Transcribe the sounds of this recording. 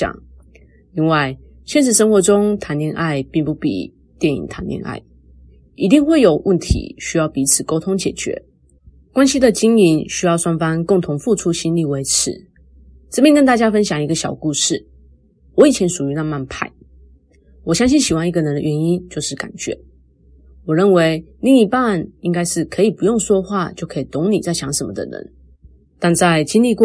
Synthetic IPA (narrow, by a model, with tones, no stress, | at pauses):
ɑ̰˨˩ŋ | li˥˧nwa˥˧ɪ | ɕjɛ˥˧nʂ̬ɻ̩˥˩ʂə˥ŋxwɔ˧˥ʈ͡ʂʊ˥ŋt̪ʰa˧˥nt̪jɛ˥˧nʔa˥˧ɪpi˥˩ŋpu˥˩pḭ˨˩ | t̪jɛ˥˩nḭ˨˩ŋt̪ʰa˧˥nt̪jɛ̰˥˧na̰˥˩ɪ | i˧˥t̪i˥˧ŋxwe˥˩ɪjo˨˩ʊwʔə˥˩nt̪ʰḭ˧˦ɕy˥jɑ˥˩ʊpi˧˥t͡sʰɹ̩˨˩ko˥ʊt̪ʰʊ˥ŋt͡ɕjɛ˨˩t͡ɕɥɛ̰˧˦ | kwa˥nɕi˥d̪ə˨t͡ɕi˥ŋi˧˥nɕy˥jɑ˥˩ʊswa˥nfɑ˥ŋkʊ˥˩ŋt̪ʰʊ˧˥ŋfu˥˩ʈ͡ʂʰu˥ɕi˥nli˥˩we˧˥ɪʈ͡ʂʰɻ̩̰˨˦ | ʈ͡ʂɤ˥˩pjɛ˥˧nkə˥nt̪a˥˩t͡ɕja˥fə˥nɕjɑ˨˩ŋi˧˥ɡə˧ɕjɑ˨˩ʊku˥˧ʂɻ̩˥˩ | wɔ˧˦i˨˩t͡ɕʰjɛ˧˥nʂu˨˩y˨˧˦na˥˧ma˥˧npʰa˥˩ɪ | wɔ˨˩ɕjɑ˥ŋɕ̬i˥˩nɕi˨˩wa˥ni˧ɡə˨nə˧˦nd̪ə̰˧˨ɥɛ˧˥ni˥nt͡ɕjo˥˧ʊʂɻ̩˥˩ka̰˨˩nt͡ɕɥɛ̰˧˥˦ | wɔ˨˩ɻə˥˩nwe˧˥ɪli˥˩ŋi˧˩pa˥˨ni˥ŋka˥ɪʂɻ̩˥˩kʰɤ˧˥i˨˩pu˧˦jʊ˥˩ŋʂwɔ˥xwa˥˩t͡ɕjo˥˩ʊkʰɤ˧˥i˨˩t̪ʊ˧˥˦ŋni˨˩t͡sa˥˩ɪɕjɑ˧˥ŋʂə˧˥mə̰˧d̪ə̰˨nə̰˧˦n | t̪a˥˧nt͡sa˥˧ɪt͡ɕi˥nli˥˧k